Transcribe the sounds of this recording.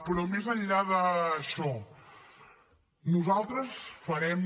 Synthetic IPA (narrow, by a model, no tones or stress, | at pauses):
pɾɔmezəʎʎaðəʃɔ | nuzalˠt̪ɾəsfəɾɛm